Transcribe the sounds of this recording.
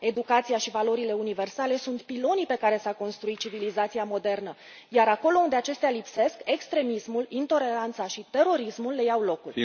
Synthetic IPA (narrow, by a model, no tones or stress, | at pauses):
e̞d̪ukat̪sijaʃivalo̞ɾile̞unive̞rsale̞sunt̪pilo̞nipe̞kaɾe̞sako̞nst̪ɾuit̪̚t͡ʃivilizat̪siamo̞d̪e̞rnə | jaɾako̞lo̞und̪e̞at͡ʃe̞st̪ealipse̞ske̞kst̪ɾe̞mismulint̪o̞le̞ɾant̪saʃit̪e̞ɾo̞ɾismulːe̞jawlo̞kul